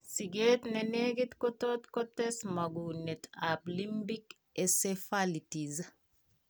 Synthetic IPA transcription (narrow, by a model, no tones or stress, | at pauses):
siɡeːtneneɡitkɔtotkɔtɛsmɐɡunetaplimbik | esefalitiz